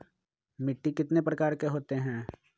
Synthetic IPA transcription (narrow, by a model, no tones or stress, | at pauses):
mɪʈːikɪt̪nepɾɐkaːɾkeɦoːt̪eɦɛ̃ː